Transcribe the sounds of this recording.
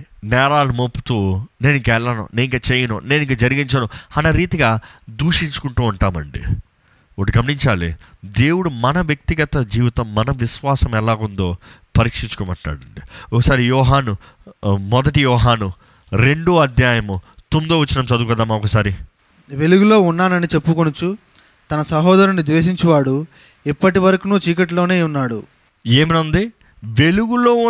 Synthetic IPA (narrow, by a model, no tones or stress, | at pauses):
nɛːɾaːlumopːu̥t̪uːne̞ːniŋkaɛlːanṵneniŋkaːt͡ʃeːjɐnṵne̞ːniŋkaːd͡ʒɐɾiɡiɲt͡ʃɐnuɐnɐɾiːt̪iɡaːd̪uːʂiɲt͡ʃu̥kuɳʈuːɳʈaːmɐ̰ɳɖḭ | oːʈuɡɐmniɲt͡ʃaːlid̪e̞ːwuɽumɐnɐʋjɐk̚t̪iɡɐt̪ɐd͡ʒiːʋit̪ɐmːɐnɐʋiʃʋaːsɐmɛlaːɡund̪oːpɐɾiːkʂiɲt͡ʃu̥koːma̰ːʈla̰ːɽɐɳɖiɔkɐsaːɾijɔːɦaːnu | mɔd̪ɐʈijɔːɦaːnu | ɾe̞ɳɖuɐd̪jaːjɐmut̪umd̪oːʋɐt͡ʃːinɐmsɐd̪ukɐd̪aːmaɔkɐsaːɾi | ʋe̞luɡulo̞ːunːaːnɐnit͡ʃe̞pːukonut͡ʃu | t̪ɐnɐsɐɦɔːd̪ɐɾɐnid̪ʋeːʃ̬iɲt͡ʃɐʋaːɽu | ipːɐʈiʋɐɾɐkunuːt͡ʃiːkɐʈlo̞ːne̞ːunːaːɽu | eːminɐnd̪i | ʋe̞luɡuloː